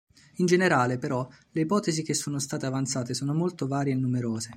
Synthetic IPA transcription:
ind͡ʒeneɾaːlepeɾɔ | leipɔːt̪ezik̟esːoːnost̪aːt̪eavant̪saːt̪esoːnomolt̪ovaːɾjeːnːumeɾoːze

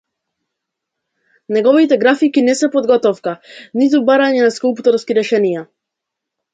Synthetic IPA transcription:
nɛɡɔvit̪ɛɡɾafikinɛsɛpɔd̪ɡɔt̪ɔfkanit̪̬ubaɾaɲɛnaskulˠpt̪ɔɾskiɾɛʃɛnija

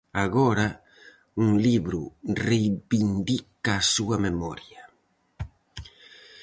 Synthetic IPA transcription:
aɣɔɾa | uŋliβɾurejbind̪ikaːsuamemɔɾja

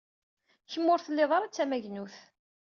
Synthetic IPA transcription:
çəmːʊɾθəlːeðˤɑɾˤat͡sːæmæʝnuθ

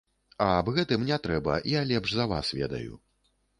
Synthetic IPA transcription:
ɐːbɣɛt̪ɨmnʲɛt̪ɾɛbɐ̰jalʲɛpʐzɐva̰svʲɛ̰d̪ɐ̰jṵ

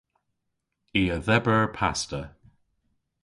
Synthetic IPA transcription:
iəðɛbəɹpʰa̰stə

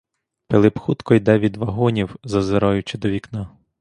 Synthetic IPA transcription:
pelˠɪpxut̪kɔjd̪ɛʋʲid̪ʋɐɦɔnʲiwzɐzeɾɔjʊt͡ʃɪd̪ɔʋʲikna

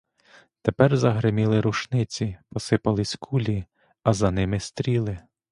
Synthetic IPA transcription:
t̪epɛrzɐɦɾɪmʲilˠɪɾuʃnɪt͡sʲipɔsɪpɐlˠɪsʲkʰulʲi | ɐzɐnɪmɪst̪ɾʲilˠɪ

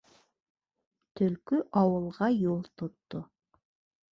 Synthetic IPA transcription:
t̪ʰɵlkʏʔɑwɤlˠʁɑjolˠt̪ʰot̪ːo

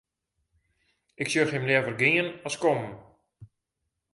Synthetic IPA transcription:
ɪksørxɪmlɛvərɡiənɔskɔm

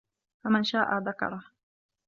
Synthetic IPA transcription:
famɪnʃaːʔaːðakɑ̰ɾˤɑh

